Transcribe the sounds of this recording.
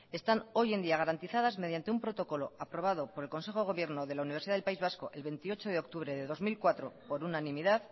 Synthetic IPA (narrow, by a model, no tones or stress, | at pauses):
e̞st̪ano̞je̞nd̪iaɣ̞aɾant̪iθaðazme̞ð̞jant̪e̞umpɾo̞t̪o̞ko̞lo̞apɾo̞β̞að̞o̞po̞ɾe̞lko̞nse̞xoɣo̞βje̞ɾno̞ðe̞launiβsiðaðelpaizβasko̞ʔe̞lβe̞nt̪io̞t͡ʃo̞ð̞eok̚t̪uβ̞ɾe̞ðe̞ðo̞zmilkwat̪ɾo̞po̞ɾunanĩmiðað